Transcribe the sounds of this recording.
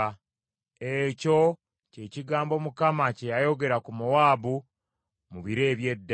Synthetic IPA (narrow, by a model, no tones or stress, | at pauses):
eco̞ | ce̞ciɡaːmbo̞mukamacejajo̞ɡe̞ɾakumuwaːβu | muβiɾe̞ːβje̞dː